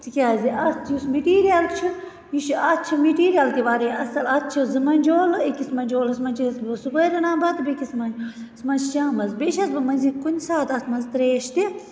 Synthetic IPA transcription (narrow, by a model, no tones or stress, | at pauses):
t̪ʰikʲaːziʔɐst̪ʰiusmiʈiːɾijalt͡ʃʰu | jiʃɐt̪̚t͡ʃʰimiʈiːɾijalt̪iʋaːɾeɐsɐlɐt̪̚t͡ʃʰizɨmɐnʲd͡ʒoːlikʲismɐnʲd͡ʒoːlɐsmɐnt͡ʃʰisbɨsukɐːɾɐnãːbɐt̪bekismɐnd͡ʒ | smɐt͡ʃʰt͡ʃaːmɐzbeʃɐsbɨmɐnzikunʲsaːt̪ɐt̪ʰmɐnzt̪ɾeːʃt̪i